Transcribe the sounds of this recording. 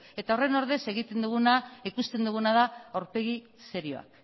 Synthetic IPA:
e̞t̪ao̞re̞no̞ɾðe̞se̞ɣ̞it̪e̞nd̪uɣ̞unaikust̪e̞nd̪uɣ̞unaðaoɾpe̞ɣ̞i | se̞ɾio̞̰a̰k

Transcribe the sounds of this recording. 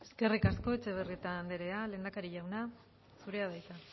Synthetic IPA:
e̞ske̞rikasko̞et͡ʃe̞βerit̪and̪eɾe̞ale̞ːnd̪akaɾiʎawna | suɾe̞aðajt̪a

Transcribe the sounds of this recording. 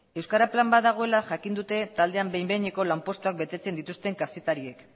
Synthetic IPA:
e̞wskaɾaplambaðaɣ̞o̞e̞laʝakind̪ut̪e̞t̪ald̪e̞ambejmbe̞ɲeko̞lampo̞st̪uak̚be̞t̪e̞t͡se̞nd̪it̪ust̪e̞ŋkase̞t̪aɾie̞k

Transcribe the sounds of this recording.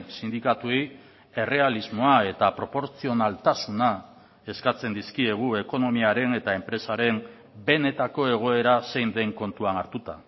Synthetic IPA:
sind̪ikat̪uej | e̞re̞alizmo̞ae̞t̪apɾo̞po̞ɾt͡sio̞nalt̪asuna | e̞skat͡se̞nd̪iskie̞ɣ̞ue̞ko̞no̞miaɾe̞ne̞t̪ae̞mpɾe̞saɾe̞n | be̞ne̞t̪ako̞e̞ɣ̞o̞e̞ɾase̞jnd̪e̞ŋko̞nt̪uanaɾt̪ut̪a̰

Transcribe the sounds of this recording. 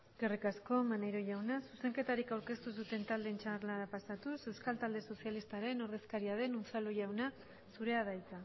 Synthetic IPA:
ɡerikasko̞manejɾo̞ʝawnasuse̞ŋke̞t̪aɾikawɾke̞st̪us̬ut̪e̞nt̪ald̪ent͡ʃaɾlaɾapasat̪use̞wskalt̪ald̪e̞so̞sjalist̪aɾe̞no̞ɾð̞e̞skaɾiað̞e̞nunt͡saluʝawna | suɾe̞að̞ajt͡s̪a

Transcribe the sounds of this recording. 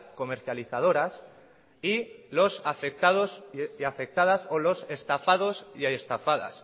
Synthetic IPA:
ko̞me̞ɾθjaliθað̞o̞ɾas | ilo̞safe̞k̚t̪aðo̞sjafe̞k̚t̪aðasolo̞se̞st̪afaðo̞sjaest̪afaða̰s

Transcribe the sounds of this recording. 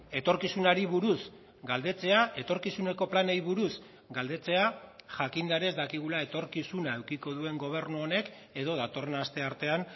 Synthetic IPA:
e̞t̪o̞ɾkisunaɾiβuɾus | ɡald̪e̞t͡se̞ae̞t̪o̞ɾkisune̞ko̞planejβuɾus | ɡald̪e̞t͡se̞aʝakind̪aɾe̞zd̪akiɣ̞ulae̞t̪o̞ɾkisunaewkiko̞ðue̞ŋɡo̞β̞e̞ɾnuone̞k | e̞ð̞o̞ðat̪o̞re̞nast̪e̞aɾt̪e̞an

